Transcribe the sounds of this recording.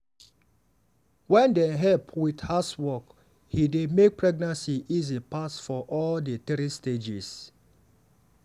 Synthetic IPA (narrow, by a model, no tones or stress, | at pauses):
wɛ̃ndeɦɛpʰwidhaswɔk | hidemek̚pɹɛɡ̚nãnsiʔizipasfɔʔɔldətɛɾisted͡ʒis